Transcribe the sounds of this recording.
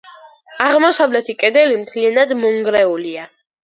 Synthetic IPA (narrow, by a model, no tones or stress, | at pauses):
aʁmɔsavlɛt̪ʰikʼɛd̪ɛlimt̪ʰlianad̪mɔŋɡɾɛulia